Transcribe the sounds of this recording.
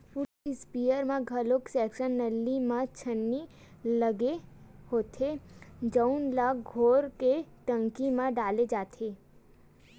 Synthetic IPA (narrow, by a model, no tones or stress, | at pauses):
ʊɪspijəɾmãɡʱɐloksɛːkʃənːəlːimãt͡ʃʰənːi | ləɡe | hoːt̪ʰed͡ʒəʊnlaːkɡʱoːɾkeʈə̃ŋkimãɖaːled͡ʒaːt̪ʰeː